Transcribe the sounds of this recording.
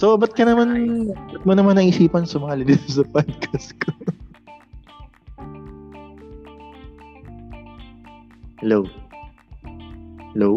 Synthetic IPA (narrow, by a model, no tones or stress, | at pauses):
sobɐt̪̚kɐnɐmanbɐt̪̚monɐmanːɐŋʔɪsiːpɐnsɐmɐŋalɪd̪ɪsɐpaːd̪̚kʰɐskʰo | hɛlow | hɛlo